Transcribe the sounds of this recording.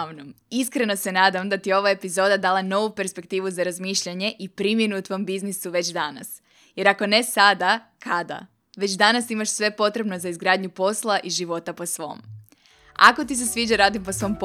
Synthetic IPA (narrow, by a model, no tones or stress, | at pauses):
ʋnom | iskɾe̞no̞se̞naːd̪amd̪at̪ijeo̞ʋaepizo̞ːd̪ad̪aːlˠano̞ʋupe̞ɾspe̞kt̪iːʋuzaɾazmiːʃʎaɲe̞ʔipɾimjenuut̪ʋo̞mbiznisuʋe̞t͡ɕd̪ana̰s | je̞ɾako̞ne̞sad̪akʰad̪a̰ | ʋe̞t͡ɕd̪anasimaʃsʋe̞po̞t̪ɾe̞bno̞zaizɡɾaːd̪ɲupo̞slˠaʔiʒiʋo̞t̪apo̞sʋo̞̰ːm | a̰ko̞t̪is̬e̞sʋiːd͡ʒaɾaːd̪imposʋo̞mp